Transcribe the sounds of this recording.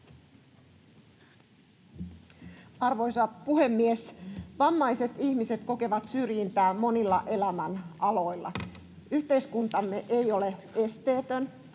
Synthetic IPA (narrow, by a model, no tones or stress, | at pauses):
ɑrʋojsɑpuhe̞mːiesʋɑmːɑjse̞t̪içmise̞t̪ko̞ke̞ʋɑt̪syrjint̪æːmːo̞nilːɑʔe̞læmænʔɑlo̞jlːɑ̰ | yht̪e̞jskunt̪ɑmːe̞ʔejo̞lee̞st̪e̞ːt̪øn